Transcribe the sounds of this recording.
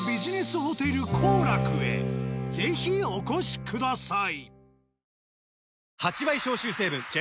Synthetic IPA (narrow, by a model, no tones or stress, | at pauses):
bʲiʑine̞sɨɦo̞t̪e̞ɾɯ̟kʰoːɾakɯ̟e̞̰ze̞çio̞ko̞ɕi̥kʰɯd̪asai | hat͡ɕiβaiɕo̞ːɕɨːse̞ːbɯ̟̃nd͡ʑe